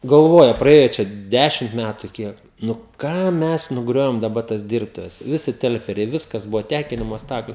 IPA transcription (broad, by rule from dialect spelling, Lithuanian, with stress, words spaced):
ɡɐlˠˈʋoːjɛ prɐˈeːjɛ ˈt͡ʃʲɛ ˈdʲæːʃʲɪmt ˈmʲætʊ ˈkʲiɛk nʊ ˈkɐm ˈmʲɛs nʊˈɡrʲoːʋʲɪm dɐˈbɐ tɐs ˈdʲɪrptʊʋʲɛs ˈʋʲɪsʲɪ ˈtʲɛlʲfʲɛrʲɛɪ ˈʋʲɪskɐs ˈbʊʋoː ˈtʲæːkʲɪnʲɪmoː ˈstɑːklʲʊ